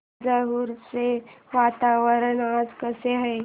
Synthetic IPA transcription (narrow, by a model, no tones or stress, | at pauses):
d͡ʒəɾuɾseʋaːt̪aːʋəɾənaːd͡ʒkəseɦɛː